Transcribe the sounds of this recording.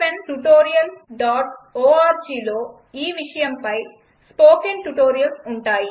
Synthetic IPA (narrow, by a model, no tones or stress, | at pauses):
pɐnʈuʈoːɾijɐlɖaːʈoːaːɾd͡ʒiːlo̞ː | iːʋiʂɐjɐmpɐj | spoːkenʈuʈoːɾijɐlsuɳʈaːji